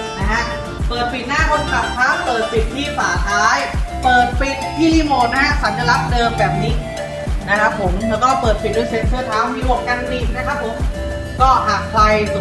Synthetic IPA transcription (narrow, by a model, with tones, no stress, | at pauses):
na˦˥kʰa˦˥ʔ | pɤː˨˩t̪̚pi˨˩t̪̚naː˥˩kʰo˧nka˨˩p̚kʰaː˦˥˩pɤː˨˩t̪̚pi˨˩t̪ʰːiː˥˩faː˩˦t̪ʰaː˦˥jpɤː˨˩t̪̚pi˨˦˩t̪̚t̪ʰːiː˥˩liː˥˩moː˨˩t̪̚na˦˥kʰa˦˥sa˩˦nt͡ɕa˧˨˩la˦˥p̚dɤː˧mbɛː˨˩p̚niː˦˥ | na˦˥kʰa˦˥ppʰːo˩˦mlɛː˦˥wkɔː˥˩pɤː˨˩t̪̚pʰi˨˩duː˥˩jse˨˩t̪̚pʰɯː˥˩t̪ʰaː˦˥wmi˦˧˥lu˥˩əka˧nːiː˨˩k̚na˥˩kʰa˦˥t̚pʰːo˩˦m | kɔː˥˩ɦaː˨˩k̚kʰla˧j